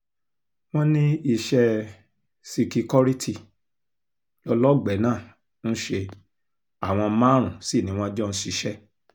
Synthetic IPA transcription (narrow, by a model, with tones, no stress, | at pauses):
w̃ɔ̃˦nĩ˦i˧˨ʃɛ˧ | si˧ki˧kɔ˦ɾi˦tʰi˦˨ | lɔ˧lɔ˦ɡ͡bɛ˨˦nãː˦˨ | n̩˦ʃe˧ | a˨w̃ɔ̃˧mãː˦˨ɾ̃ũ˨si˦˨nĩ˨˦w̃ɔ̃˦d͡ʒɔ˦˧n̩˦ʃi˨˧ʃɛ˦